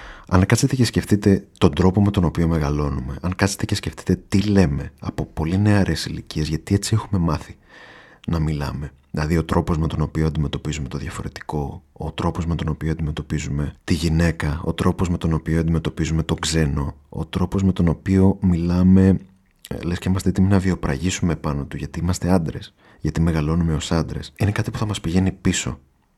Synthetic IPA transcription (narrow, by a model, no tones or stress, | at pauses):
ɐŋkɐset̪ece̞sce̞ft̪it̪e̞t̪o̞nd̪ɾo̞po̞met̪o̞no̞pio̞me̞ɣɐlo̞nume̞ʔɐŋkɐset̪ece̞sce̞ft̪i̥t̪e̞t̪ile̞me̞ɐpo̞po̞line̞ɐɾesilicie̞zʝɐt̪ie̞t͡sie̞xume̞mɐθi | nɐmilɐ̰me̞ | ðilɐðiot̪ɾʔo̞po̞zme̞t̪o̞no̞pioɐnd̪ime̞t̪o̞pizume̞t̪oðʝɐfo̞ɾe̞t̪i̥ko̞ot̪ɾo̞po̞zmet̪o̞no̞pioɐnd̪ime̞t̪o̞pizume̞t̪iʝine̞kɐo̰t̪ɾo̞pozme̞t̪o̞no̞pioɐnd̪ime̞t̪o̞pizume̞t̪o̞ɡze̞no̞̰ːt̪ɾo̞po̞zme̞t̪o̞no̞pio̞milɐme̞ | le̞sceimɐst̪eet̪iminɐvio̞pɾɐ̰ʝisume̞pɐno̞t̪uʝɐt̪iimɐst̪e̞ɐnd̪ɾe̞̰s | ʝɐt̪ime̞ɣɐlo̞nume̞o̞sɐnd̪ɾe̞̰sine̞kɐt̪ipu̥θɐmɐspiʝe̞nipiso̞̰